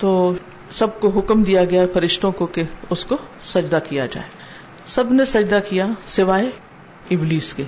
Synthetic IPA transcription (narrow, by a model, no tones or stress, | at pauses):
t̪oː | sɐb̚koɦʊkmd̪ijaɡɐjafɐɾɪʃt̪õkokeʊsko | sɐd͡ʒd̪akijad͡ʒa̰ːeː | sɐbnesɐd͡ʒd̪akijasɪʋaːe | ɪbliːske